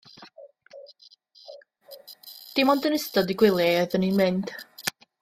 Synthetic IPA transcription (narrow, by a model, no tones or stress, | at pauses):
d̥ɪmɔndənɪstɔdiɡwɪlˠjɛɔðəninmɪnd̥